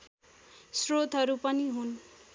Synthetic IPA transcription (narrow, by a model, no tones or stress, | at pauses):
srot̪ɦʌɾupʌniɦun